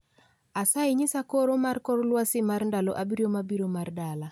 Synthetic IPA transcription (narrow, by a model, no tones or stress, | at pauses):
asaɪɲɪsakoɾomarkɔɾlwasɪmarndaloʔabiɾjomabiɾomardala